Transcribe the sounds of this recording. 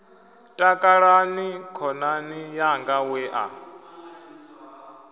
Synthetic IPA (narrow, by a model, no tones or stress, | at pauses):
tʼakʼaɺanikʰɔnanijaŋɡawɛʔa̰